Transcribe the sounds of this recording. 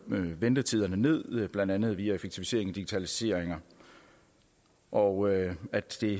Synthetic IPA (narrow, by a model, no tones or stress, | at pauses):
ʋend̥ət͡sʰiðˠɐnəne̝ð̰ˠb̥lænd̥ænð̞̩ˠʋiæefeɡ̥̚t͡sʰifise̝ɐe̝ŋɒd̥iɡ̥i̥t͡sʰælise̝ɐ̰eŋɐ | ʔɒæd̥d̥e̝